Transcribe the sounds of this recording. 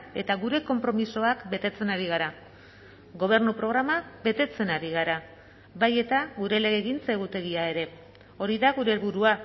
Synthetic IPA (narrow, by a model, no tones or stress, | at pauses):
e̞t̪aɣuɾe̞ko̞mpɾo̞miso̞akbe̞t̪e̞t͡se̞naɾiɣ̞aɾa | ɣo̞β̞e̞ɾnupɾo̞ɣ̞ɾamabe̞t̪e̞t͡se̞naɾiɣ̞aɾa | βaje̞t̪aɣuɾe̞le̞ɣe̞ːɣint͡se̞ɣut̪e̞ɣ̞iae̞ɾe̞ | o̞ɾiðaɣuɾe̞lβuɾua